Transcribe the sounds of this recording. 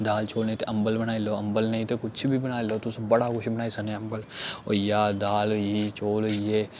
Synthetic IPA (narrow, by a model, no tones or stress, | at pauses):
d̪aːlt͡ʃʰoːlneĩt̪eʔɐ̃mbəlbɐnaːiloɐ̃mbəlnɐĩt̪ekʊt͡ʃʰbʱibɐnaːiloːt̪ʊsbɐɽakʊʃbɐnaːisɐneɐ̃mbəlo̰ːjaːd̪aːlit͡ʃʰoːlje